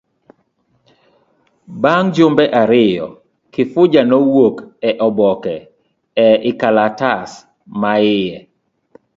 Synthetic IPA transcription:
baŋd͡ʒombɛʔaɾɪjɔ̰ | kɪfʊd͡ʒanɔwokɛʔɔbɔkɛ | ɛʔɪkalatas | maɪjɛ

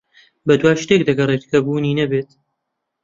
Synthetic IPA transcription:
bɐd̪waːʃt̪eːk̚d̪ɐɡɐret̪kʰɐbuːniːnɐbeːt̪

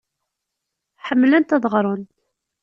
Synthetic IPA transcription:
ħəmːlænt̪ɑðˤʁɾˤʊn

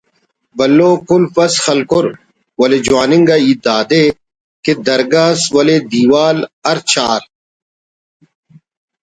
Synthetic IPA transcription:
bɐlːoːkʊlpɐsxɐlkʊɾ | wɐled͡ʑwaːniŋɡaid̪aːd̪eː | ked̪ɐɾɡaswɐled̪iːwaːlɐɾt͡ɕʰaːɾ

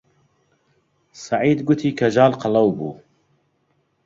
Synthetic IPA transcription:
sɑʕiːd̪ɡʊt̪ʰiːkʰɐʒɑːlqɨlɐwbṵː

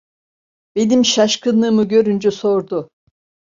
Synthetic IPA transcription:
b̥e̞nimʃaʃkʰɯnɯmɯɟø̞ɾynd͡ʒɛso̞ɾd̪ʊ

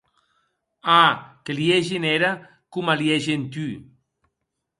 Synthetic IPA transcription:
akelieʒeneɾa | kumalieʒent̪y

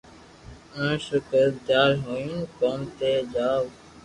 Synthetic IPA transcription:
ə̃ːʃʊkəd̪jaːɾɦoːĩːnkoːmt̪eːd͡ʒaːʋ

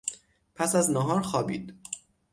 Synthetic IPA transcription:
pʰæsæznɒɦɒːɾxɒːbḭːd̪̥

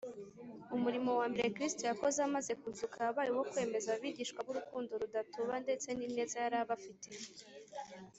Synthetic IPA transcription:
umuɾimo̞waːmbe̞ɾekɾistojako̞zeamaze̞kuzukʰaːβaɾiwo̞kwe̞me̞zaβiːɟiːʃkwaβuɾukuːndo̞ɾudatoβande̞t͡se̞nine̞ːzajaɾaβafite

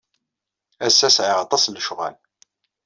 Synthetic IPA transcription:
æsːæsʕɪʁɑt̪ˤɑsləʃʁæ̰l

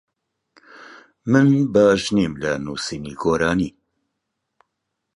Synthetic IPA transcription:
mɨnbɑːʒnimlɐnuːsiːniɡoːɾaːniː

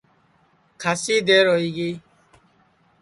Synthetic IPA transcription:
kʰasid̪eɾɔiɡi

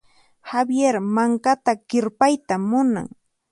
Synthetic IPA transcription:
habjeɾmaŋkat̪akɪɾpajt̪amːʊna̰ŋ

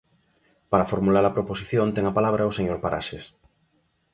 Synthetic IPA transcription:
paɾafoɾmulaɾapɾoposiθjont̪eŋapalaβ̞ɾaoseɲoɾpaɾʔa̰ʃes

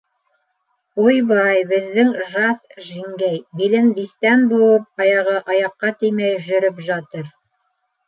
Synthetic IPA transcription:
ujbɑjbɘ̆zðɘŋʒɑsʒiŋɡæjbilɘnbist̪ænbuwɤp̚ɑjɑʁɤʔɑjɑqːɑt̪ijmæjʒɵ̆ɾɵpʒɑt̪ɤɾ

